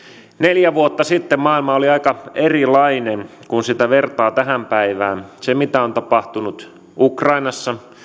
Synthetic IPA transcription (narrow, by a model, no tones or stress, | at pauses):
neljæʋuot̪ːɑsit̪ːemmɑːilmɑoliɑikɑerilɑinen | kunsit̪æʋert̪ɑːt̪æɦæmpæiʋæ̰ːnsemit̪æont̪ɑpɑht̪unut̪ | ukrɑinɑsːɑ